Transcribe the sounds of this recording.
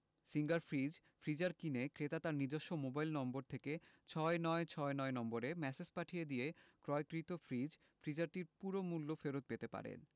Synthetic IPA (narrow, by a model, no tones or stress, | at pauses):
siŋɡaɾfɾid͡ʑ | fɾid͡ʑaɾkinekɾet̪at̪aɾnid͡ʑoʃːomobajlnɔmboɾt̪ʰeket͡ɕʰɔenɔet͡ɕʰɔenɔenɔmboɾemɛsespaʈʰijed̪ijekɾɔekɾit̪ofɾid͡ʑ | fɾid͡ʑaɾʈiɾpuɾomulːofeɾot̪̚pet̪epa̰ɾḛn